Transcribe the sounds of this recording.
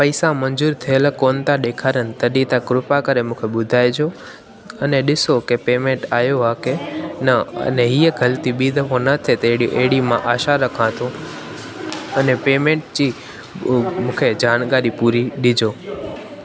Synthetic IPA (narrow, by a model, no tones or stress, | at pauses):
pɐɪsãmɐ̃ɲzuːɾt̪ʰiəlkoːnt̪aɗeːkʰaːɾənɪ̆t̪ɐɗit̪akɾʊpakəɾemũːkʰeɓʊd̪ʱaːjd͡ʑo | ɐneɗɪsokepeːmẽːɳʈaːjoɦakenɐ̰neɦiːəɡɐlt̪iɓiːd̪ʱəfõnɐt̪ʰet̪eɽʔeːɽimãʔaːʃaɾɐkʰãt̪ʰo | ɐnepeːmẽːɳʈd͡ʑiː | mũːkʰed͡ʑaːñɡaːɾipuɾiɗɪd͡ʑoː